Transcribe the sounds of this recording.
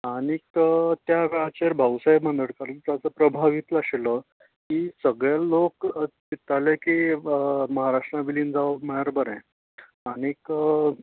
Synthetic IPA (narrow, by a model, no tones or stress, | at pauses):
aɽ̃ikət̪jaʋjat͡ɕeɾbʱawsaibmə̃nd̪əɽkaɾunt̪jat͡səpɾəbʱaʋit̪laɕlə | kisəɡɭalokt̪it̪aleki | məɦaɾaʂʈɾabiliːnd͡zaʋməaɾbəɾɛ̃ | aɽ̃ikə